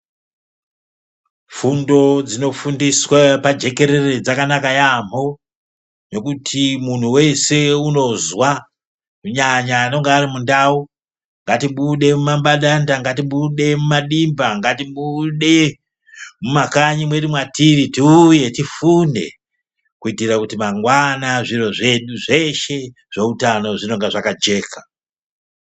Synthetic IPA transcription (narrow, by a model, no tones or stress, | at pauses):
fundo̞d͡zino̞fundiswapad͡ʒe̞ke̞ɾe̞re̞d͡zakanakajam̤o̞ | no̞kutʰimun̤uwe̞se̞uno̞zwa | kuɲaɲaːno̞ŋɡeːrimundau | ŋɡatiɓuɗe̞mumambaɗandaŋɡatiɓuɗe̞mumaɗimbaŋɡatiɓuɗe̞ | mumakaɲimwe̞rimwatiritiuje̞tifune̞̰ | kuitiɾakutimaŋɡwanaʐiro̞ʐe̞ɗuʐe̞ʃe̞ | ʐ̥o̞utano̞ʐino̞ŋɡeʐakad͡ʒe̞ːka